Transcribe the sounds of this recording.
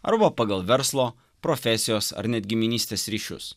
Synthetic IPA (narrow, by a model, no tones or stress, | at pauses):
ɐ̰ɾbɐpɑɡɐlˠʋʲɛɾslˠoː | pɾɔfʲɛsʲɪjoːsɐ̰ɾnʲɛt̪̚ʲɡʲɪmʲɪnʲiːsʲt̪ʲeːsɾʲiːʃʲʊ̰s